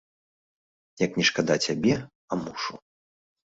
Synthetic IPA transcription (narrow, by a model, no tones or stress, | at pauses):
jɐknʲɛʂkad̪at͡sʲabʲɛ | ɐamuʂṵ